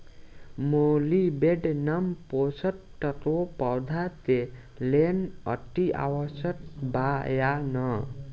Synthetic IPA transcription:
molibeɖnʌmposʌt | ʈʌɾopʌwd̪ʱat̪e | lenʌ̰ʈːia̰wʌsʌt̪̚bajanʌ

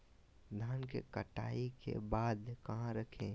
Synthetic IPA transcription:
d̪ʱaːnkḛkəʈa̰ːikḛbaːd̪kɐɦãɾəkʰẽ

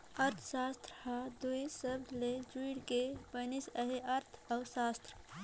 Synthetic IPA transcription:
əɾt̪ʰsast̪ɾhad̪uisəbled͡ʒuiɽkebənisəɦeəɾt̪ʰəʊsast̪ɾ

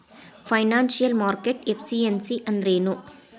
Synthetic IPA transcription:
fɐɪnaːnsijɐlmaːɾkeʈefsiɛnsiʔɐnd̪ɾeːnoː

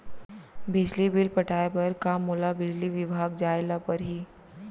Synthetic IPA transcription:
bɪd͡ʒlibɪlpɐʈʰaːepɐɾkamulabɪd͡ʒliʋɪbʱaːɡd͡ʒaːɪlapɐɾɦiː

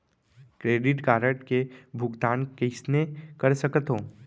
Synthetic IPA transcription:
kɾeːɖɪʈkaːɾəʈkebʱʊɡd̪aːnkɪsnekəɾsəkət̪ɦõː

